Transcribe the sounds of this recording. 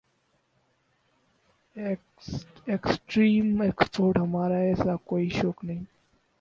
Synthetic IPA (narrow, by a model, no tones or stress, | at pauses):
eksʈɾiːmekspoːɾʈɦəmaːɾaeːsaːkoːiʃoːknĩː